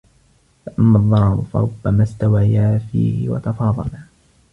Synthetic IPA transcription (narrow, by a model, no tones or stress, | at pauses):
faʔamːaðˤːɑɾˤɑɾfɑ̰ɾˤʊbːamaːst̪awajaːfḭːhɪ̰wɑ̰t̪ɑfɑːðˤɑ̰la